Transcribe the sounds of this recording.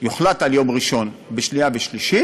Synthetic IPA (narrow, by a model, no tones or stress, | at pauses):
juχlat̪aljo̞mʁiʃo̞nbeʃniaveʃliʃi